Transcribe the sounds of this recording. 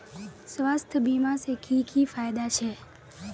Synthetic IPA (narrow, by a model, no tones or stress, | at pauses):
sʋast̪ʰəbimãsekʰikʰifajd̪at͡ʃʰe